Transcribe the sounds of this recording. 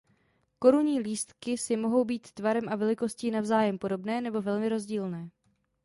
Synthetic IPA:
ko̞ɾuɲiːliːst̪kɪsɪmo̞ɦo̞wbiːt̪ːvaɾɛmʔavɛlɪko̞sciːnavzaːjɛmpo̞do̞bnɛːnɛbo̞vɛlmɪɾo̞zɟiːlnɛː

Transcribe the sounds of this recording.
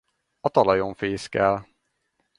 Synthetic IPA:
ɒt̪ɒlɒjoɱfeːskɛl

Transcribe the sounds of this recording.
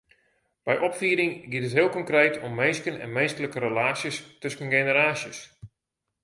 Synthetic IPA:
b̥ɛjʔɔpfiːɾɪŋɡitətɦɪəlˠkɔŋkrejtʰɔmːejskənɛ̰nmeːstələkəɾəlaːsjəstɵskənɡenəɾaːsjəs

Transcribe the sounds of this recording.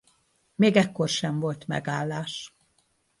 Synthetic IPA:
meːɡɛkːo̞rʃɛɱvo̞lt̪mɛ̰ɡaːlːaːʃ

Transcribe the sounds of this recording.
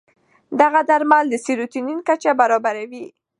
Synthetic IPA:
d̪aɣad̪aɾmald̪əsiɾut̪ininkat͡ʃabaɾɑbaɾawi

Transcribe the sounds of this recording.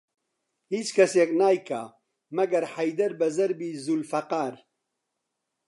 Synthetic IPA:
hiːt͡ʃkʰɐseːknaːjkʰa̰ | mɐɡɐɾħɐjd̪ɐɾbɐzɐɾbiːzulfɐqaːɾ

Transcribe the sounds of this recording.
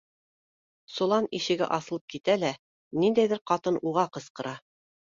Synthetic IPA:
sŭlˠɑniʃɘ̆ɡɘ̰ʔɑsɤ̆lˠɤp̚kit̪ælæ | nind̪æjðɘɾqɑt̪ɤnʔuʁɑqɤ̆sqɤ̆ɾɑ

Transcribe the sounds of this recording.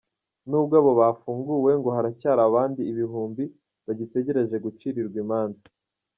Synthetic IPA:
nuːb̚ɡaːβo̞βaːfuːŋɡuwe̞ŋɡo̞ɦaɾacaːɾaβaːndiːβiɦuːmbi | βaɟite̞ɟe̞ɾe̞ʒe̞ɡut͡ʃiɾiɾɡwimaːnzi

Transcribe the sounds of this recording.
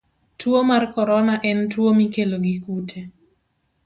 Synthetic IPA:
tʰwomarkɔɾɔnaʔɛntwomikeloɡikutʰe

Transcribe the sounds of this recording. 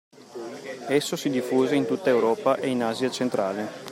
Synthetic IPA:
ɛsːosid̪ifːuːzeint̪ut̪ːaewɾɔːpaʔeinaːzjat͡ʃent̪ɾa̰ːle

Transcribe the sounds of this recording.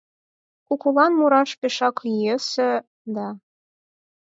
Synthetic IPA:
kukulɑnmuɾɑʃpeʃɑklijesĕ | d̪ɑ

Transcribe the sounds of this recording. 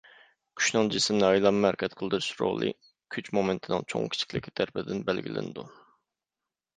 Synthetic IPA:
kʲʰy̥ʃnɨŋd͡ʒɪsɪmnɨɑjlˠɑmːæɾkʲɛt̪qʰəlˠd̪ɨɾʃɾo̰ʁlˠɨ̰ | kʲʰyt͡ʃmomɪnt̪ʰɪnɨ̰ŋt͡ʃʰo̰ŋkʲʰi̥t͡ʃʰi̥kʲlɪkʲːi̥t̪ʰæɾpɪd̪ɪnbælɡʲilɪ̰nɪd̪u

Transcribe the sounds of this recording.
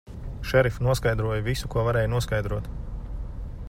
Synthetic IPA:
ʃɛɾifnuɔskajd̪ɾuɔjvisukuɔvaɾɛːjnuɔskajd̪ɾuɔt̪

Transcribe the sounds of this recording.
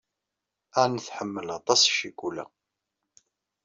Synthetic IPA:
ænθħəmːəlɑt̪ˤɑsˤʃikʷulæ̰

